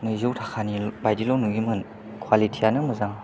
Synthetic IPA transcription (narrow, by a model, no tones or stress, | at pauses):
nɯzuwtʰakʰanibajdilɔwnuɡimɯn | kʰwalitʰijanɯmɯzaŋ